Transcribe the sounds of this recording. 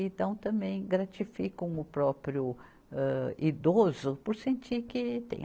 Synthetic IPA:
ĩt̪ɐ̃w̃t̪ɐ̃mbẽj̃ɡɾat͡ʃifikɐ̃w̃ʊpɾɔpɾjʊ | ɛid̪ozʊpʊɾsẽnt͡ʃikɪt̪ḛ̃j̃

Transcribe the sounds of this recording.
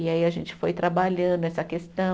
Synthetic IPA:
iaiaʒẽnt͡ʃɪ̥fojt̪ɾabaʎɐ̃nd̪ʊɛsɐkest̪ɐ̃

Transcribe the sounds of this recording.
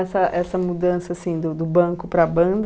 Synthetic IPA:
ɛsɐʔɛsɐmud̪ɐ̃sɐːsĩd̪ʊd̪ʊbɐ̃kʊpɾɐbɐ̃d̪

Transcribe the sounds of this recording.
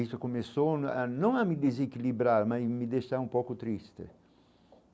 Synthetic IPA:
ist̪ʊkomesoanɐ̃w̃amɪd̪ezekilibɾaɾmazmɪd̪eʃaɾũmpowkʊt̪ɾist̪ɪ̰

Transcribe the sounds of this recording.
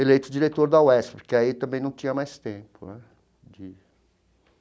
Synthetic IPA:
elejt̪ʊd͡ʒiɾet̪oɾd̪ɐwɛspkɪait̪ɐ̃mbẽj̃nɐ̃w̃t͡ʃĩɲɐmajst̪ẽpʊnɛ | d͡ʒɪ

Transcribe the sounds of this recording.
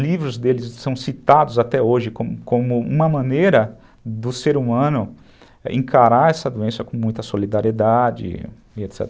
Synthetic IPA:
livɾʊzd̪elɪsːɐ̃w̃sit̪ad̪ʊzat̪ɛoʒɪkõmʊkõmʊṵ̃mɐmɐ̃nejɾɐ | d̪ʊseɾumɐ̃nʊ | ḛ̃kʰaɾaɛsɐd̪uẽsɐkõmũj̃t̪ɐsolid̪aɾied̪ad͡ʒɪ̰ | iet̪sɛ̰t̪

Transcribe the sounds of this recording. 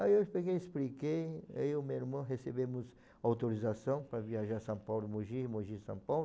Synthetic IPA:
ajewpeɡejesplikejaiʊmewiɾmɐ̃ɦesebẽmʊs | awt̪oɾizasɐ̃w̃pɾɐviaʒaɾsɐ̃pawlʊmoʒimoʒisɐ̃pawl

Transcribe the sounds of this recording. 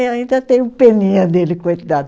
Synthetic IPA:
aĩnd̪ɐt̪ẽj̃ũpenĩɐd̪elɪkojd̪ad̪

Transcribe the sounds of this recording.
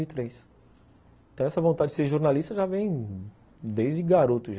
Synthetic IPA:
iit̪ɾejs | t̪ɐ̃w̃ɛsɐvõnt̪ad͡ʒɪd͡ʒɪseɾʒoɾnalist̪ɐʒavẽj̃ | d̪ejzd͡ʒɪɡaɾot̪ʊʒ

